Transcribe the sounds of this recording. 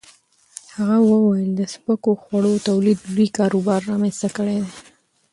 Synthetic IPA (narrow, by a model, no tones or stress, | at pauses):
haɣawəwajəld̪əspəkoxwaɽot̪awlid̪uɾikɑɾobɑɾːɑmenst̪akəɽed̪e